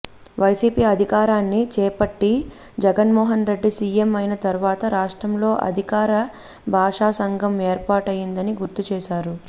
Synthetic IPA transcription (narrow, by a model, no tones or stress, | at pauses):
ʋɐjsiːpiːɐd̪ʱikaːɾaːnːit͡ʃɛːpɐʈːi | d͡ʒɛɡɐnmɔːɦɐnɾe̞ɖːisiːemɐjnɐt̪ɐɾuʋaːt̪ɐɾaːʂʈɾɐmlo̞ːʔɐ̰d̪ʱikaːɾɐ | bʱaːʂaːsɐŋɡʱɐme̞ːɾpaːʈɐjind̪ɐniɡuɾt̪ut͡ʃɛːʃaːɾu